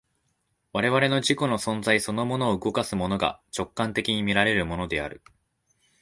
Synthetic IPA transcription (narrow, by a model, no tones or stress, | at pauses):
βaɾe̞βaɾe̞no̞ʑiko̞no̞sõ̞nd͡zaiso̞no̞mo̞no̞ːɯ̟ɡo̞kasɨmo̞no̞ɡa̰t͡ɕo̞kːãnt̪e̞kʲiɲ̟imʲiɾaɾe̞ɾɯ̟mo̞no̞d̪e̞a̰ɾɯ̟